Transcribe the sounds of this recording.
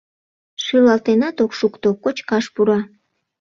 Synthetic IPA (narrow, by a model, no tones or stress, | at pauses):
ʃylɑlt̪enɑt̪okʃukt̪okːot͡ɕkɑʃpuɾɑ